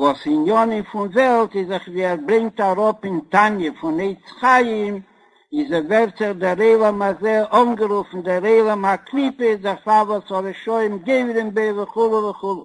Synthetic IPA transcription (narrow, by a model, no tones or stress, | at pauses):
vɔsɪnjɔnɪnfʊnvɛlˠtɪzɪχviːɛɾbɾɛŋk̚taɾɔpɪntanjəfʊneɪt͡sχajɪm | ɪzɛvɛɾtzɪχdɪɾeɪlˠɛmazeɪʔɔnɡəɾufn̩dɪɾeɪlˠəmaklˠipəsdɪɾfavɔshɔɾəʃɔɪmɡeɪvɾɪmbeɪvəχulˠəvəχulˠə